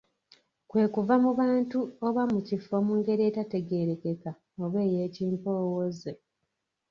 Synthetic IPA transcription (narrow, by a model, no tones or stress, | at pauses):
kwe̞ːkuvamuβaːntuoβamucifo̞muːŋɡe̞ɾie̞ːtate̞ɡe̞ɾe̞ke̞ka | oβe̞ːje̞ːciːmpo̞ːwoze